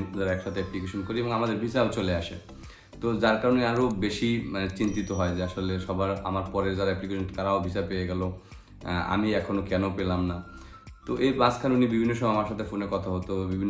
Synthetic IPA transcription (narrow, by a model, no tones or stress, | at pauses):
d͡ʑaɾaɛkʃat̪ʰeɛplikeʃonkoɾieboŋamad̪eɾbʱiʃaot͡ɕoleaʃḛ | t̪od͡ʑaɾkaɾoneaɾobeʃimanet͡ɕint̪it̪oɦɔed͡ʑeaʃoleʃɔbaɾa̰maɾpɔɾeɾd͡ʑaɾaɛplikeʃonk̪aɾaobʱiʃapeeɡɛlo | a̰miɛkʰonokɛnopelamna | t̪oʔebaskʰanunibibʱinːoʃ̬ɔmɔamaɾʃat̪ʰefonekɔt̪ʰaɦot̪obibʱinː